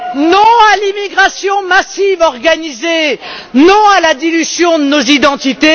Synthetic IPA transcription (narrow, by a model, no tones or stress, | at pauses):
nɔ̃alimiɡʁasjɔ̃masivɔʁɡanize | nɔ̃alad̪ilyzjɔ̃d̪ənozid̪ɑ̃t̪it̪e